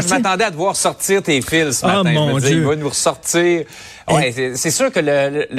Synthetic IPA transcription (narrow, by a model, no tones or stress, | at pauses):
ʒəmatt̪ɑ̃d̪ɛad̪əvwaːʁsɔʁt̪iːʁt̪eːfɪlsəmɛ̃əziivɔnuʁsɔʁt̪iːʁ | wɛsɛsyːʁkʲələll